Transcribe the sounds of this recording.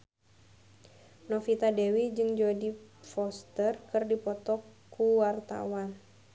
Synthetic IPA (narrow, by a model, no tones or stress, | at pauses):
nɔfit̪adɛwid͡ʒɨŋd͡ʒodifɔst̪ərkɨrdipɔt̪ɔkː | uwart̪a̰wan